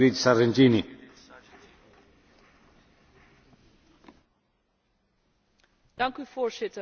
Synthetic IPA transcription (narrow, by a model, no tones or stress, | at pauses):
ɾitsarɛntini | dɑŋkyvoːɹzɪtə